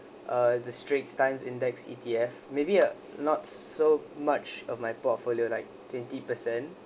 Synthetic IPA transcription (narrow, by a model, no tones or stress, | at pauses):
ʔʌdəstɹetstãɪ̃msɪ̃ndɛksḭtʰiɛfmebi | nɔtsomat͡ʃɔvmajpɔtfoliolaɪk̚tʰwɛ̃ntipəsɛ̃n